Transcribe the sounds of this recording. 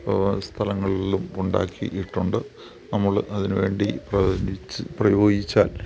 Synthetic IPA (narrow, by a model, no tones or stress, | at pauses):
st̪ʰɐlɐŋːɐɭilumuɳɖa̰ːkʰːḭʔiʈːuɳɖɨ | nɐmːɐɭʔɐðinɨʋe̞ːɳɖiprɐprɐjo̞ːɡit͡ɕːaːl